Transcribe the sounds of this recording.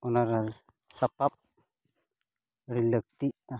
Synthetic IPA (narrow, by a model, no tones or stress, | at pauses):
ɔnaɾa | sapap̚ | ɾilək̚t̪iʔa